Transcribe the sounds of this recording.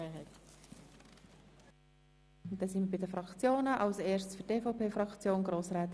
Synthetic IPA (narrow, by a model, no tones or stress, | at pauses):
ɦɛt | ʊndɛːsɪnməbɪdəfɾɑkt͡sjoːnəʔɑlseːʃtsfyteːfɔʊpeːfrɑkt͡sjoːnɡɾoːsɾɛːt̪